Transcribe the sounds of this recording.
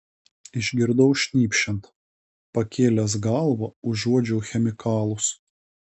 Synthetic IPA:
ɪʒʲɡʲɪɾd̪ɐʊʃʲnʲiːpʲʃʲɛnt̪ | pɐkʲeːlʲɛs̬ɡɑˑlˠʋoːʊʒːuɔd͡ʒʲɛːxʲɛmʲɪkɑːlˠʊs

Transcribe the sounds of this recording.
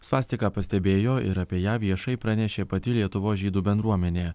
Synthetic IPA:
sʋɑːsʲt̪ʲɪkɑːpɐsʲt̪ʲɛbʲeːjoːɪ̰ɾɐpʲiɛjæːʋʲiɛʃɐɪpɾɐnʲɛʃʲeːpɐt̪ʲɪlʲiɛt̪ʊʋoːsʒʲiːd̪uːbʲɛnd̪ɾuɔmʲɛnʲeː

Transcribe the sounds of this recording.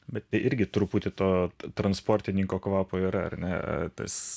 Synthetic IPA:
bʲɛt̪t̪ʲɐɪʔɪɾʲɡʲɪt̪ɾʊpuːt̪ʲɪt̪oːt̪ɾɐnspoːɾʲt̪ʲɪnʲɪŋkoːkʋɑːpoːiɾɐɐ̰rnʲɛɐ̰t̪ɐ̰s

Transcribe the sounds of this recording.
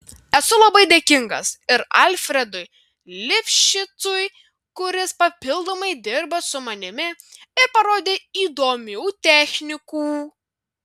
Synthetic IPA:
ɛsʊlˠɐbɐɪd̪ʲeːkʲɪŋɡɐ̰sɪɾɐlʲfʲɾʲɛd̪ʊj | lʲɪpʲʃʲɪt̪sʊj | kʊɾʲɪspɐpʲɪlˠd̪oːmɐɪd̪ʲɪɾbɐsʊmɐnʲɪmʲɪɪɾpɐɾoːd̪ʲeːiːd̪oːmʲɛːt̪ʲæːxʲnʲɪkuː

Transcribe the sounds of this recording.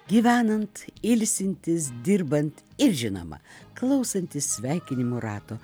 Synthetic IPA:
ɡʲiːʋʲæːnɐnt̪ɪlʲsʲɪnʲt̪ʲɪsd̪ʲɪɾbɐnt̪ɪɾʒʲɪno̰mɐ̰klˠɐʊsɐnʲt̪ʲɪsʲsʲʋʲæˑɪkʲɪnʲɪmoːɾɑːt̪oː

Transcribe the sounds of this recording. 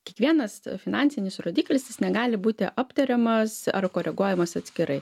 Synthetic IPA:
kʲiɛkʋʲiɛnɐsfʲɪnɑːnʲtsʲɪnʲɪsɾoːd̪ʲiːklʲɪsjɪsnʲɛɡɑːlʲɪbuːt̪ʲɪʔɐpt̪ɐɾʲɛmɐsɐ̰rkoːɾʲɛɡuɔjɛmɐsɐt̪sʲkʲɪɾɐɪ

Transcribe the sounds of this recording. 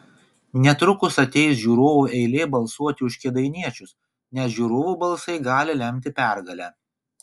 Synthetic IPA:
nʲɛt̪ɾʊkʊsɐt̪ʲɛɪs̬ʒʲuːɾoːʋuːɛɪlʲeːbɐlˠsuɔt̪ʲɪʊʃʲkʲeːd̪ɐɪnʲiɛt͡ʃʲʊs | nʲɛsʒʲuːɾoːʋuːbɐlˠsɐɪɡɑːlʲɪlʲɛmʲt̪ʲɪpʲæˑɾɡɐlʲæː

